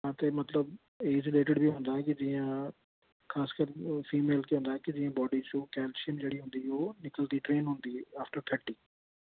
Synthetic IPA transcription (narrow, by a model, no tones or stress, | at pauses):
ɦãːt̪emɐt̪ləb | eːd͡ʒɪleːʈɪɽbʱiɦʊ̃nd̪aɦɛ̃kɪd͡ʒijã | xʰaːskəɾfiːmeːlkiɦõnd̪aːɦɛkɪd͡ʒɪːãbɔːɖit͡ʃũːkɛːlsɪənd͡ʒeːɽiɦʊ̃nd̪ioːnɪkəld̪iːʈɾeːnɦʊ̃nd̪iːaːfʈəɾt̪ʰəɾʈiː